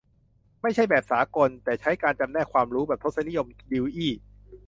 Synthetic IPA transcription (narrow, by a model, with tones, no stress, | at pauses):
ma˥˩jt͡ɕʰa˥˩jbɛː˨˩p̚saː˩˦ko˧nt̪ɛː˨˩t͡ɕʰa˦˥jkaː˧nt͡ɕa˧mnɛː˥˩kʰwaː˧mɾuː˦˥bɛː˨˩p̚t̪ʰt̪̚sa˧˦ni˦˥jo˧mdiː˧wʔiː˥˩